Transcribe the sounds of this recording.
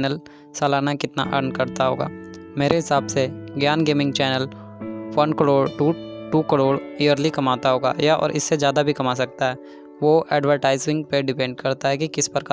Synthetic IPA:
nəl | saːlaːnakɪt̪na̰ʔɐɾnkɐɾt̪aɦoːɡa̰ːmeːɾʔeɦɪsaːbseɡjaːnɡeːmɪ̃ŋɡ̚t͡ʃɛːnəl | ʋɐnkəɽoːɽʈuːʈuːkəɽoːɽiːəɾlikɐmaːt̪aɦoːɡa̰jaʔɔ̰ːɾʔɪ̰sːed͡ʒjaːd̪abʱikɐmaːs̬ɐk̚t̪aɦɛː | ʋoʔɛːɖʋəɾʈaːɪzɪ̃ŋɡpeɖɪpɛ̃ːɳɖ̚kɐɾt̪aɦɛkikɪspəɾka

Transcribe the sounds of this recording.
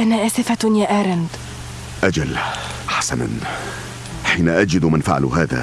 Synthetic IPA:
ʔanaʔaːsɪfajaːʔaːɾˤand̪ | ʔad͡ʒal | ħḁsana̰n | ħiːnaʔad͡ʒɪd̪manfa̰ʕa̰l̰ɦa̰ːða̰

